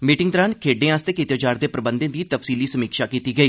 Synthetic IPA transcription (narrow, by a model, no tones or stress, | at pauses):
miːʈɪ̃ŋt̪əɾaːnkʰeːɖẽːãːst̪eːkit̪jːt͡ʃaːɾd̪eːpɾəbənd̪ẽːd̪iːt̪əfsiːliːsəmiːkʃaːkiːt̪iːɡəiː